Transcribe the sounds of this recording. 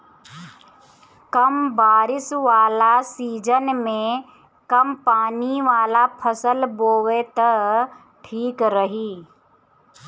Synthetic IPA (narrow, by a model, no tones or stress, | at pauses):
kɐmbaːɾɪsʋaːlasiːd͡ʒənmẽ | kɐmpaːniʋaːlapʰəsəlboːʋet̪ɐ | ʈʰiːkɾəɦiː